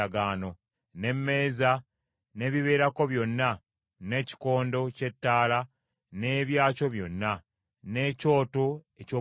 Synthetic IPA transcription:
aɡaːno̞ | ne̞mːe̞ːza | ne̞ːβiβe̞ːɾako̞βjo̞nːa | ne̞ːci̥ko̞ːndo̞ce̞tːaːla | ne̞ːβjaːco̞βjo̞nːa | ne̞ːco̞ːtoecoː

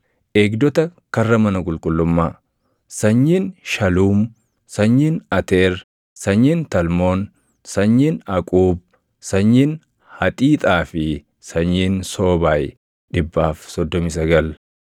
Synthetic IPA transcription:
ʔeːɡd̪ɔt̪ɐkɐrːɐmɐnɐkʼʊlkʼʊlːʊmːaː | sɐɲːiːnʃɐluːm | sɐɲːiːnɐt̪eːɾ | sɐɲːiːnt̪ɐlmoːn | sɐɲːiːnɐkʼuːb̚ | sɐɲːiːn | hɐt̪ʼiːt̪ʼaːfɪ | sɐɲːiːnso̞ːbaːj | ᶑɪbːaːfsɔd̪ːɔmɪs̬ɐɡɐl

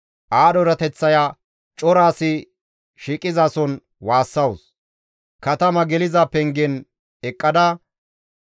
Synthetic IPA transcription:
ʔaːd̪ɔɾɐt̪ɛt͡sːɐja | t͡ʃʼɔɾaːsɪ | ʃiːkʼɪzaːsɔn | waːsːɐws | kɐt̪ɐmɐɡɛlɪzapɛŋɡɛn | ɛkʼːɐd̪ɐ

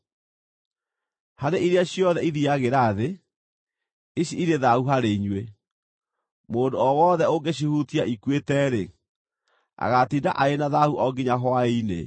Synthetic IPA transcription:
haɾeʔiɾeaɕjɔðɛiðiaɣeɾaːðe | iɕiiɾeðauɦaɾeiɲwe | moːndoɔwɔːðɛoɡeɕ̬ihutiaʔikwetɛːɾe | a̰ɣatinda̰ʔaenaðahuʔɔɡiɲaɦwainḛ

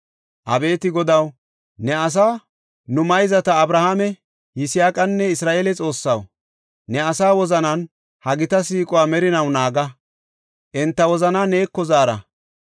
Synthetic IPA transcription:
ʔɐbe̞ːt̪ɪɡɔd̪ɐw | nɛɐs̬aː | nʊmɐjzɐt̪ɐːbɾɐhaːmɛ | jɪsɪjaːkʼɐnːɛɪsɾaːʔeːlɛt͡sʼo̞ːsːɐw | nɛɐsaːwɔzɐnɐn | hɐɡɪt̪ɐs̬iːkʼɔwaːmɛɾɪnɐwnaːɡɐ | ʔɪnt̪ːɐwɔzɐnaːne̞ːkːɔzaːɾɐ̰

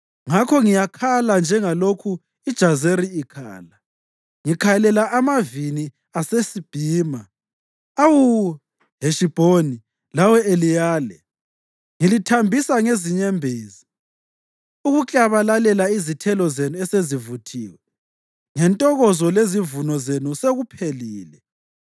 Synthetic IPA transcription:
ŋakʰɔŋijakʰaland͡ʒʱɛŋalokʰu | id̥ʒ̥ʱazeɾiikʰa̰ːla | ŋikʰajɛlɛlaʔamavini | asesib̥ʱiːma | awu | ɦeʃib̥ʱoni | lawɛelijaːlɛ | ŋilitʰambʱisaŋeziɲɛmbʱeːzi̥ | uɣut͡ɬʼaβalalɛlaizitʰɛlɔzenuɛsezivutʰḭːwɛ | ŋɛntʼɔɣɔzɔlezivunɔzenuseɣupʰeliːlɛ

